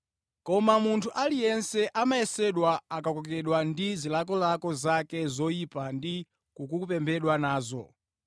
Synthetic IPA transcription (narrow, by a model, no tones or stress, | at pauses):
kɔmamuntʰuʔalijɛnsɛʔamaɛsɛɗwaakakɔkɛɗwandizilakɔlakɔzakɛzɔipandi | kukukupɛmbʰɛɗwanaːzɔ̰